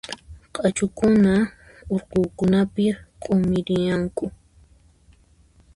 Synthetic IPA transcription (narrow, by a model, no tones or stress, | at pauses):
qʼat͡ʃʊkʊna | ʊɾqʊːkʊnapɪqʼʊmɪɾɪjaŋkʊ